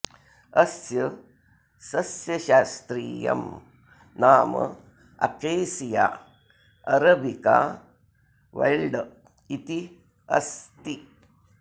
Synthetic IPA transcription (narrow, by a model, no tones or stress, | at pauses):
ɐsjɐ | sɐsjɐʃaːst̪ɾiːjɐ̰m | naːmɐ̰ | ɐ̰keːsija̰ | ɐɾɐbika̰ː | ʋɐ̰jɭɖ | it̪i | ɐ̰st̪i